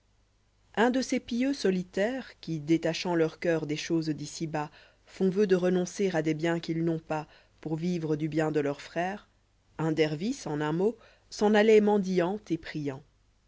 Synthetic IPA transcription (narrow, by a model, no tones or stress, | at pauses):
ɛ̃d̪əsepiøsɔlit̪ɛːʁkʲid̪et̪aʃɑ̃lœʁkʲœʁd̪eʃozd̪isiba | fɔ̃vød̪əʁənɔ̃seʁad̪ebjɛ̃kʲilnɔ̃pa | puʁvivʁəd̪ybjɛ̃d̪əlœʁfχɛːʁ | ɛ̃d̪ɛʁvisɑ̃nɛ̃mo | sɑ̃nalɛmɑ̃d̪iɑ̃t̪epχijɑ̃